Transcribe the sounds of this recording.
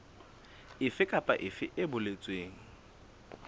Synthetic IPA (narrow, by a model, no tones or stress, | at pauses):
ɪfɪkʼapʼa̰ʔɪfɪʔɪbʊlet͡sʼweːŋ̩